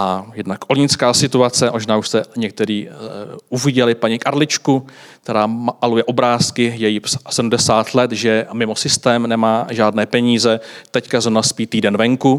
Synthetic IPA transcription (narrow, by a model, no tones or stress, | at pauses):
ʔajɛdnakʔolɲɪt͡skaːsɪt̪uat͡sɛmoʒnaːuʃst̪ɛɲɛk̚t̪ɛɾiːʔuvɪɟɛlɪpaɲɪkʔaɾlɪt͡ʃku | k̚t̪ɛɾaːmalujɛʔo̞bɾaːskɪjɛjipssɛdumdɛsaːt̪lɛt̪ʒɛmɪmo̞sɪst̪ɛːmnɛmaːʒaːdnɛːpɛɲiːzɛt̪ɛckazonaspiːt̪iːdɛnvɛŋku